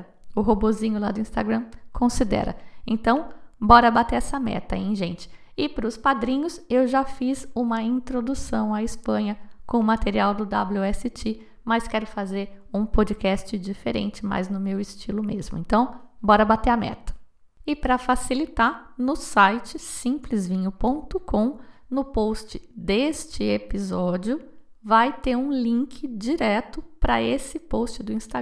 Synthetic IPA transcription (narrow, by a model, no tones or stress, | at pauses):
ʊɦobozĩɲʊlad̪ʊĩst̪aɡɾɐ̃mkʰõsid̪ɛ̰ɾɐ̰ẽnt̪ɐ̃w̃bɔɾɐbat̪eɛsɐmɛ̰t̪ɐẽj̃ʒẽt͡ʃɪ̥ | ɪpɾʊspad̪ɾĩɲʊsewʒafizũmɐĩnt̪ɾod̪usɐ̃w̃aɪspɐ̃ɲɐkõʊmat̪eɾiawd̪ʊd̪a̰bluɛsɪt͡ʃɪ | mɐskɛɾʊfazeɾũpod͡ʒikɛst͡ʃɪd͡ʒifeɾḛ̃nt͡ʃɪma̰jznʊmewɪst͡ʃilʊmezmʊ̰ẽnt̪ɐ̃w̃bɔɾɐbat̪eɐmɛ̰t̪ɐ̥ | ɪpɾɐfasilit̪aɾnʊsajt͡ʃɪsĩplɪzvĩɲʊpõnt̪ʊkõw̃nʊpost͡ʃɪd̪est͡ʃɪepizɔd͡ʒjʊ | vajt̪eɾũlĩŋkʰɪd͡ʒiɾɛt̪ʊpɾɐesɪpowst͡ʃɪd̪ʊĩst̪a